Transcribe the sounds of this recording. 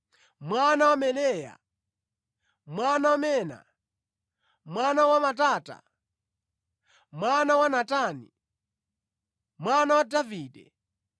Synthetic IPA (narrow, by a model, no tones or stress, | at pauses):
mwanawamɛlɛja̰ | mwanawamɛna̰ | mwanawamataːta̰ | mwanawanataːnḭ | mwanawadaviːɗɛ̰